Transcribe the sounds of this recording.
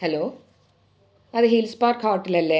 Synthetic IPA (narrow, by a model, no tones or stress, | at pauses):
hɛloː | ɐðɨɦilspaːɾkhaːʈːilɐlːe